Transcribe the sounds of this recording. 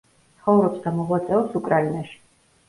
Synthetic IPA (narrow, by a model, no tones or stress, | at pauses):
t̪sʰχɔvɾɔpsd̪amɔʁwat̪sʼɛɔpsukʼɾainaʃi̥